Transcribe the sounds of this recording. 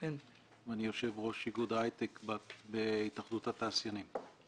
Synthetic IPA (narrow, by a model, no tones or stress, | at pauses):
ken | vanijo̞ʃe̞vʁo̞ʃiɡud̪ajt̪ekbabeit̪aχd̪ut̪hat̪aːsjanim